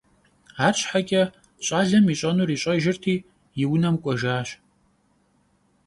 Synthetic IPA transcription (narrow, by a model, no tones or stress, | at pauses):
aːɕʰʼħakʲʼɐ | ɕʼaːɮɐmiɕʼɐnuːriːɕʼɐʒɪrtʰiː | jɪwnɐmkʷʼɔʒaːɕ